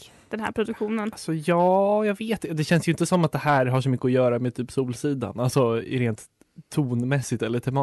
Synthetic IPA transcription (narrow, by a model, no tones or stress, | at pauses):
d̪̥ɛnɦæ̰ːɾpʰɾʊd̪ɵkɧuːnənsɔjɑːjɑːɡveːt̪d̪ɛɕɛnsjʏɪnt̪əsɔmːat̪̚d̪ɛhæːɾɦaʂɔmʏkːəʊjœːɾamet̪ʰyːpsuːlsiːd̪a̰nalsɔɾeːnt̪ʰː | uːnmɛsːɪt̪ɛlːəʈʰɛmɑː